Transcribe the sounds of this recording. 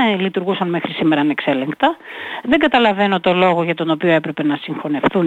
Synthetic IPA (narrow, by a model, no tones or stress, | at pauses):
lit̪uɾɣusɐnme̞xɾisime̞ɾɐnekse̞le̞ŋkt̪ɐðe̞ŋɡɐt̪ɐlɐve̞no̞t̪o̞lo̞ɣoʝɐt̪o̞no̞pio̞e̞pɾe̞pe̞nɐsiŋxo̞nefθun